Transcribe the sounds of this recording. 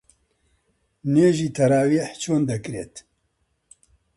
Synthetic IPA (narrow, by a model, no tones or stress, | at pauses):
neːʒiːt̪ʰɐɾaːwiħt͡ʃʰoːnd̪ɐkɾḛːt̪